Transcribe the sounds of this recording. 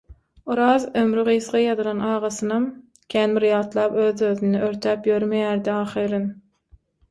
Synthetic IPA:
oɾɑːzømɾyʁiːsʁɑjɑd̪ɯlˠɑnɑːʁɑsɯnɑm | kʲʰæːnbiɾjɑːt̪lˠɑːpøːðøðyneøɾt̪ʰæːpjøɾmejæːɾd̪iɑːχiɾɯn

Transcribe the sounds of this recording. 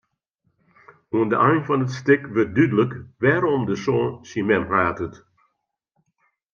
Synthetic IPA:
uəndə̰ʔajnfɑnətstɪkʋət̚dydələkʋɛːɾɔmdəsɔːnsimɛmraːtət

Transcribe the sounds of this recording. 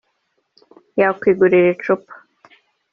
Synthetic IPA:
jakwiːɡuɾiɾet͡ʃupḁ

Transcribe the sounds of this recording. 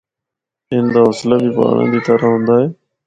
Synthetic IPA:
ɪ̃nd̪aoslabipa̰ːɳã̰ːd̪iːt̪əɾəɦõːnd̪aːɦeː

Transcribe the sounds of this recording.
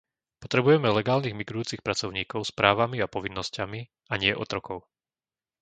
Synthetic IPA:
pɔt̪ɾɛbujɛmɛlɛɡaːlniːɣmiɡɾujuːt͡sixpɾat͡sɔʊɲiːkɔʊspɾʔaːʋamiapɔʋinːɔscami | aɲɪɛʔɔ̰t̪ɾɔkɔʊ

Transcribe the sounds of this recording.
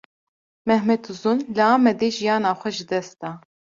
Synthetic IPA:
mɛhmɛt̪uzunlɨɑːmɛd̪eːʒijɑːnɑːxʷɛʒɨd̪ɛst̪ɑː

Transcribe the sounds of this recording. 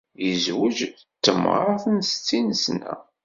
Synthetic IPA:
jəzwəd͡ʒ | t̪ːəmə̰ɾˤɑθənst͡sːinəsnæ̰

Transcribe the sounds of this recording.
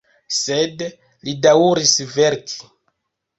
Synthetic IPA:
sed | lidauɾisve̞ɾkʰi̥

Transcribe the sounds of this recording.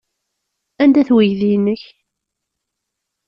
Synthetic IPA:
ænd̪æθwijðijnːəç

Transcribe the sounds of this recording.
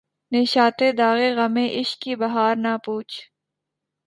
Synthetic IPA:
neːʃaːt̪ed̪aːɣeɣɐmẽʔɪʃkibɐɦaːɾnapuːt͡ʃʰ

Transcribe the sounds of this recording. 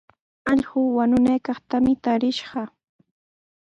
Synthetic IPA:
ɑʎɢʊːwanʊnajkɑχt̪amɪt̪aɾɪʃɢɑ

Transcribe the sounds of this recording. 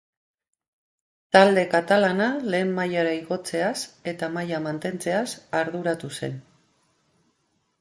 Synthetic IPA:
t̪ald̪e̞kat̪alanale̞ːmːajaɾaiɣo̞t͡se̞ase̞t̪amajamant̪e̞nt͡se̞asaɾðuɾat̪use̞̰n

